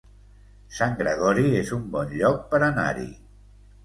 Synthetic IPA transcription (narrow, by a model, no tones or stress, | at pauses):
saŋɡɾəɣ̞ɔɾiezumbɔnʎɔk̚pəɾəna̰ɾḭ